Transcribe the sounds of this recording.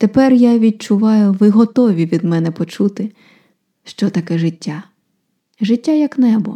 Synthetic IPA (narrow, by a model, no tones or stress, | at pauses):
t̪epɛrjaʋʲid̚t͡ʃʊʋɑjʊʋɪɦɔt̪ɔʋʲiʋʲid̪mɛnɛpɔt͡ʃut̪ɪ | ʃt͡ʃɔt̪ɐkɛʐɪtʲːa | ʒɪtʲːajɐknɛbɔ